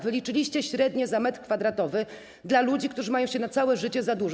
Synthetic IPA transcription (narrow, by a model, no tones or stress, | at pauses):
vɘlʲit͡ʂɘlʲiɕt͡ɕɛɕɾɛd̪ɲɛzamɛt̪kfad̪ɾat̪ɔvɘ | d̪lalud͡ʑikt̪uʐɘmajɔ̃w̃ɕɛnat̪sawɛʐɘt͡ɕɛzad̪u